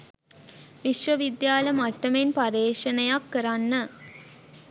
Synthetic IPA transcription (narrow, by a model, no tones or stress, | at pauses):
ʋiʃʋəʋid̪jaːlɐmaʈːɐmenpaɾeːʂɐnɐjakːəɾanːə